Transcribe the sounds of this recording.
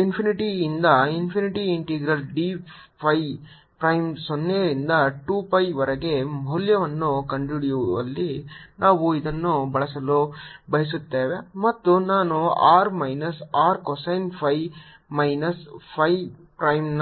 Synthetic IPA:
inpʰiniʈiːnd̪ɐinpʰiniʈiiɳʈiːɡɾɐlɖi | pʰɐj | pɾɐjmsɔnːejɐɾind̪ɐʈuːpɐjʋɐɾɐɡe̞mɐɦljɐʋɐnːukɐɳɖiɽjuɐ̰lːinaːʋuid̪ɐnːubɐɭɐsɐlubɐɦɐs̬ut̪ːeːʋe̞mɐt̪ːunaːnuaːɾmɐjnɐsaːɾkɔsɐjnpʰɐj | mɐjnɐspʰɐj | pɾɐjmn

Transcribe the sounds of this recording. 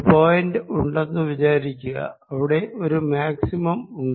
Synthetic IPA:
poːjɐndɨuɳɖenːɨʋid͡ʑaːɾikʲːuɣɐ̰ɐʋiɽe̞ʔo̞ɾumaːksimɐmuɳɖ

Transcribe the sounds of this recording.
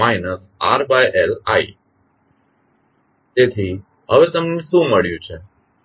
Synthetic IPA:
majnəs | a̰ɾbajela̰i | t̪et̪ʰi | ɦəʋet̪əmneʃũməɭjũt͡ʃʰe

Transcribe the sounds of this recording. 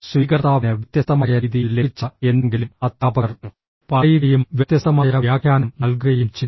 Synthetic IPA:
sʋiːkɐɾt̪aːʋɐnɨʋit̪jɐsɐmaːjɐɾiːðijilet͡ɕːɐe̞nːeŋɡilumɐt̪ːaːbɐɐɾnːu | pɐikɐjumʋjɐt̪jɐsɐmaːjɐɾɐjaːkʰjaːnɐmnɐlɡuɾɐjumt͡ɕi

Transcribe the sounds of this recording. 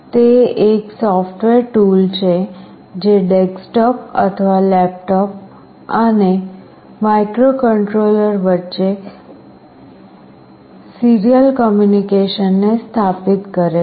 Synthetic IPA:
t̪eeksɔfʈʋeɾʈult͡ʃʰe | d͡ʒeɖeksʈɔpə̰t̪ʰəʋalɛp̚ʈɔp̚ | əne | maikɾokəɳʈɾoləɾʋətːʃe | siɾijəlkɔmjunikeʃənːest̪ʰapit̪kəɾe

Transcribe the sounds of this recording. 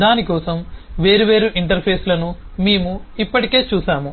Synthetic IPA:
d̪aːnikɔːsɐmʋe̞ːɾuʋe̞ːɾuʔiɳʈɐɾpʰe̞ːslɐnumeːmuipːɐʈike̞ːt͡ʃuːsaːmu

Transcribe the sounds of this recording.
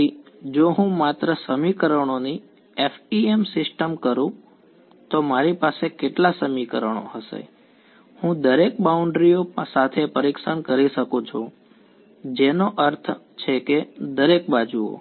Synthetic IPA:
id͡ʒoɦũmat̪ɾəsəmikəɾəɳ̃oni | efiemsɪsʈəmkəɾũ | t̪omaɾipasekeʈlasəmikəɾəɳ̃o̰ɦəsḛ | hũd̪əɾek̚bauɳɖɾijopə̃sat̪ʰepəɾikʃankəɾiʃəkõt͡ʃʰu | d͡ʒenoʔəɾt̪ʰ | t͡ʃʰeked̪əɾekbad͡ʒuo̰

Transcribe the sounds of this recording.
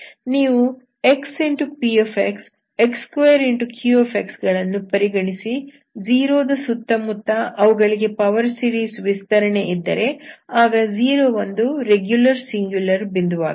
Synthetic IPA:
niːʋu | e̞ksiɳʈupiepʰeks | ekskʋɐjɐɾiɳʈukʰjuoːpʰeksɡɐɭɐnːupɐɾiɡɐɳisi | d͡ʒiːɾoːd̪ɐsut̪ːɐmut̪ːɐʔɐʋuɡɐɭiɡe̞pɐʋɐɾsiːɾiːsʋist̪ɐɾɐɳe̞ʔid̪ːɐ̰ɾe̞aːɡɐziːɾoːʋond̪uɾeɡjulɐɾsiŋɡjulɐɾbind̪uʋa̰ːɡ

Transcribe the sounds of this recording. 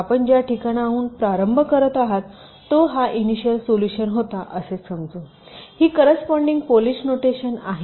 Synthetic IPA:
apəɳd͡ʑjaʈʰikaɽ̃auːnpɾaɾəmbʱəkəɾət̪aɦat̪ː | oɦaʔiniɕəlsoluɕənɦot̪aʔəsesəmd͡zo | hiːkəɾəspɔɳɖiŋɡpoliɕnoʈeɕənaɦe

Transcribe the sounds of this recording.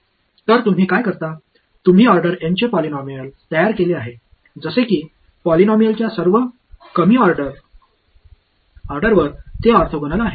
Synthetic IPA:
t̪əɾt̪um̤iːkajkəɾt̪a | t̪um̤iːɔɾɖəɾjaɲt͡ɕepɔlinɔmijəlt̪əjaɾkeleaɦe | d͡zəsekiː | pɔlinɔmijəlt͡ɕjasəɾʋə | kəmiːɔɾɖəɾ | ɔɾɖəɾʋəɾt̪eaɾt̪ʰoɡʱəñəlaɦe

